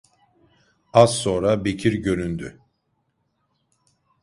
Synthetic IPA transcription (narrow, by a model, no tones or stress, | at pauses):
az̥so̞ːɾabecʰiɾɟø̞ɾynd̪y̰